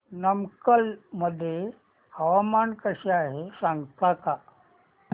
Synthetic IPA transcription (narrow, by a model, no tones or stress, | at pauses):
nəmkəlməd̪ʱːje | əʋamankəɕiaːɦesãŋɡt̪aka